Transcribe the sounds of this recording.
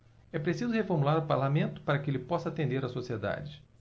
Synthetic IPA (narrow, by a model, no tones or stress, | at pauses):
ɛpɾesizʊhefoɾmulaɾʊpaɾlamẽnt̪ʊ̥paɾɐkɪelɪpɔsɐat̪ẽnd̪eɾɐsosied̪a̰d͡ʒɪ